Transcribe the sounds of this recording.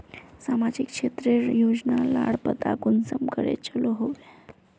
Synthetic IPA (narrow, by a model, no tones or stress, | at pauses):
samad͡ʒikʂet̪ɾeɾjod͡znalaɽpət̪akunsəmkəɽḛt͡ɕəloɦoʋe